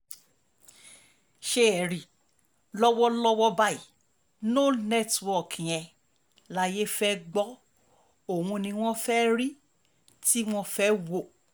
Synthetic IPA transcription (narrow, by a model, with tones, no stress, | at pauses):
ʃe˦ɛ˨ɾi˨ | lɔ˦wɔ˦lɔ˦wɔ˦ba˦i˨ | no˦˨nɛ˦˨tɔ˨kʰĩ˨ɛ̃˧ | la˧je˦fɛ˦ɡ͡bɔ˦ | o˨wũ˧nĩ˧w̃ɔ̃˦fɛ˦ɾi˦ | ti˦w̃ɔ̃˧fɛ˦wo˦˨